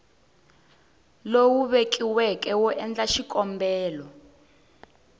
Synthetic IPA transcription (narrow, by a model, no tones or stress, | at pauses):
lowuβek̬ʼiwɛkʼɛwɔʔɛnd͡ɮaʃikʼɔmbɛːlɔ